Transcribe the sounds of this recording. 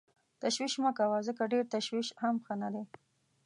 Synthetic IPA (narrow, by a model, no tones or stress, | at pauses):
t̪aʃwiʃməkawazəkaɖeɾt̪aʃwiʃhamxənad̪e